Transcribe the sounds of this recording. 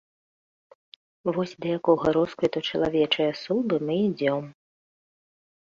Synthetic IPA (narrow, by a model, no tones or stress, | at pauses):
vɔsʲd̪ɐjakɔjɣɐɾɔskujt̪ɔt͡ʂɐlˠavʲɛt͡ʂɐjɐsubɨmɨid͡zʲɔm